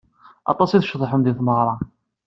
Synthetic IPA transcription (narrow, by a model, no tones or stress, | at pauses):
ɑ̰t̪ˤɑsiθəʃðˤħəmðiθməʁɾˤɑ